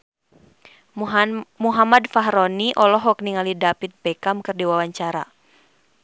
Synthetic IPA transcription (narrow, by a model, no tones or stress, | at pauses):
muɦamadfaɦɾɔniʔɔlɔɦɔk̚niŋalidapit̪̚pɛkamkɨrdiwawaɲt͡ʃaɾa̰